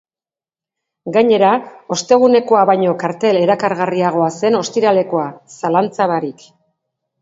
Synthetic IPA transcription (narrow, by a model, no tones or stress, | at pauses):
ɡaɲe̞ɾao̞st̪e̞ɣ̞une̞ko̞aβajɲo̞kaɾt̪e̞le̞ɾakaɾɣariaɣ̞o̞ase̞no̞st̪iɾale̞ko̞asalant͡saβaɾik